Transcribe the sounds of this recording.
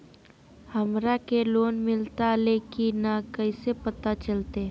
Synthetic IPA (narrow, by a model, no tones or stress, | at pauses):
həmɾakeloːnmɪlt̪aleːkinakəisepət̪at͡ʃəlt̪e